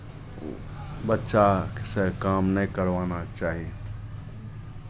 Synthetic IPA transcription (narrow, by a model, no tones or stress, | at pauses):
bətːʃakesəkamnəkəɾʋanat͡ʃaːɦie